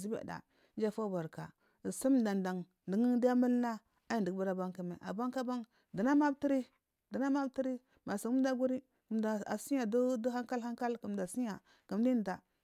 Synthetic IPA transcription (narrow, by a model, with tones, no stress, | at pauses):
zi˦bḛ˨da̰˨ | nd͡ʒa˦˨fa˦ba˨ɾka˨ | si˦m˨da˨nda˨ŋ | di˨ŋ˦di˦ja˦mə˦lna˦ | a˦ji˨ndi˨ɡba˦ɾa˨ba˦ŋki˨mḛ˨ʔa̰˨ba˦ŋka˦ba˦ŋ | di˨na˦ma˦bti˦ɾi˦ | di˨na˦ma˦bti˦ɾi˦ | ma˨sa˨ku˦m˦da˦ɡu˦ɾi˦ | ku˨mda˨a˨si˦ja˨ddu˦ha˦ka˦lha˦ŋka˦lku˨mda˨si˦ja˨ | ku˨m˦di˦n˨da˨